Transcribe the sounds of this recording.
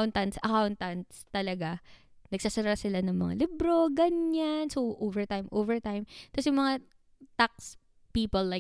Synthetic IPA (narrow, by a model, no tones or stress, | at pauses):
wnt̪ɐnt̪sʔɐkawnt̪ɐnt̪st̪ɐlɐɡa | nɐɡ̚sasɐɾasɪlanɐŋmɐ̰ŋa̰lɪbɾo̞ɡɐɲansoʔoːvɛɹt̪ajmʔovɛɹt̪ajmt̪ɐsjʊŋmɐŋa | t̪ak̚s | piːpolːa